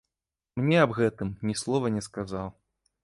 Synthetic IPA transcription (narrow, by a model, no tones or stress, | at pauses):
mnʲɛɐbɣɛt̪ɨmnʲislˠɔvɐnʲɛskazaw